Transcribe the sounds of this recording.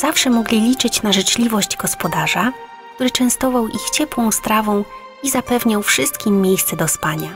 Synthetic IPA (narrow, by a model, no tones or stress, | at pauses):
z̥afʂɛmɔɡlʲilʲit͡ʂɘt͡ɕnaʐɘt͡ʂlʲivɔʑd͡ʑɡɔspɔd̪aʐa | k̚t̪uɾɘt͡ʂɛ̃st̪ɔvawʔixt͡ɕɛpwɔ̃w̃st̪ɾavɔ̃w̃ | izapɛvɲawfʂɘst̪kʲimːʲjejst̪sɛd̪ɔspaɲa